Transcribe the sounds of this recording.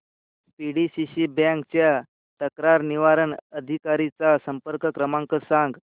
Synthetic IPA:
piɽisiɕibjãŋkt͡ɕja | t̪əkɾaɾniʋaɾənəd̪ʱikaɾit͡sasəmpəɾkəkɾəmãŋkəɾsãŋɡ

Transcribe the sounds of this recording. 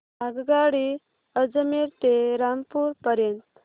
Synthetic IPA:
aɡɡaɽi | əd͡zəmeɾt̪eɾampuɾpəɾjənt̪

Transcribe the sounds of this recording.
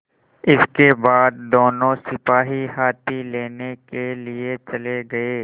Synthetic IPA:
ɪskebaːd̪̚d̪oːnõsɪpaːɦihaːt̪ileːnekeliet͡ʃɐleɡɐeː

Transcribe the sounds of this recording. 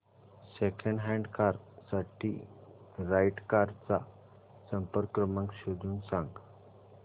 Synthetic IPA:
sekʰəɳɖɦɛɳɖkaɾsaʈʰiː | ɾajʈkaɾt͡sa | səmpəɾkɾəməŋkɕod̪ʱuːnsãŋɡ

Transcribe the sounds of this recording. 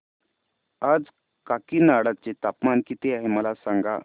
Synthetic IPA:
ad͡z | kakiːnaɽat͡set̪apmankiːt̪eaɦeməlasãŋɡa̰

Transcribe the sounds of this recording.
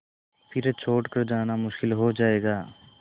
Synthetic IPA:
pʰɪɾt͡ʃʰoːʈkɐɾd͡ʒaːnamʊʃkɪlɦod͡ʒaːeːɡaː

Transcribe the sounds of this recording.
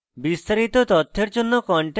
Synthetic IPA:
bist̪aɾit̪ot̪ɔt̪ʰːeɾd͡ʒonːokɔɳʈe

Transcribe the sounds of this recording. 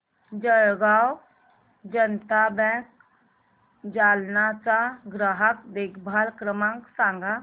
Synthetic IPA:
d͡ʒəɽɡaw | d͡ʒənt̪abɛ̃ːk | d͡ʒaːlnat͡ʃaɡɾəɦəkd̪ekbʱaːlkɾəmãŋksãːŋɡa

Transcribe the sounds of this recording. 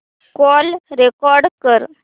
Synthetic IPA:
kɔːlɾekɔːɾɖkəɾ

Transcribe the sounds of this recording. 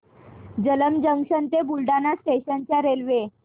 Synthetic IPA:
d͡ʑələmd͡ʑəŋɕənt̪ebulɖanasʈeɕənt͡ɕjaɾelʋe

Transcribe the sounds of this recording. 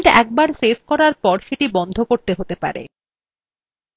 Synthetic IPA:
ʈɛ̰k̚baɾsebʰʱkɔɾaɾpɔɾʃeʈibɔnd̪ʱokoɾt̪eɦot̪epa̰ɾḛ

